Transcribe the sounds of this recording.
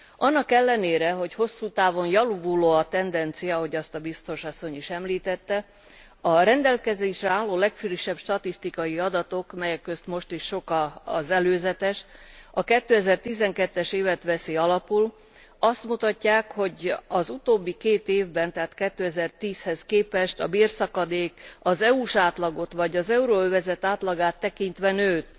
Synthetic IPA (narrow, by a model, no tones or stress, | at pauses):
ʔɒnːɒkɛlːɛneːɾɛɦo̞cho̞sːuːt̪aːvo̞njɒluvuloːɒt̪ɛnd̪ɛnt̪sijɒɦo̞ɟɒst̪ɒbist̪o̞ʃɒsːo̞ɲiʃɛmliːt̪ɛt̪ːɛ | ɒɾɛnd̪ɛlkɛzeːʃrɛaːlːoːlɛkfyɾiʃɛb̥ʃt̪ɒt̪ist̪ikɒjiɒd̪ɒt̪o̞kmɛjɛkːøst̪mo̞ʃt̪iʃːo̞kɒzɛløːzɛt̪ɛʃɒkɛt̪ːøːɛzɛrt̪izɛŋkɛt̪ːɛʃeːvɛt̪ʋɛseːɒlɒpul | ɒst̪mut̪ɒcːaːkho̞ɟɒzut̪oːbːikeːt̪eːvbɛnt̪ɛɦaːt̪kɛt̪ːøːɛzɛrt̪iːshɛskeːpɛʃt̪ɒbiːrsɒkɒd̪eːkɒzɛuʃaːt̪lɒɡo̞t̪ʋɒɟɒzɛuɾoøvɛzɛt̪aːt̪lɒɡaːt̪ːɛkint̪ʋɛnøːt̪